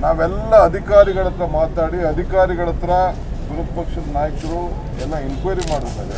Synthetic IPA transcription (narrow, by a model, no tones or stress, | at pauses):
naːʋɛlːɐːd̪ʱikaːɾiɡɐɭɐt̪ːɐɾɐmaːt̪aːɽiɐd̪ʱikaːɾiɡɐɭɐt̪ːɐɾɐ | b̪uʋɐt̪̚pɐkʂɐd̪ɐnaːjɐkɐɾu | ɛlːɐinkʋɐjɾimaːɽut̪ːa̰ːd̪ɐ̰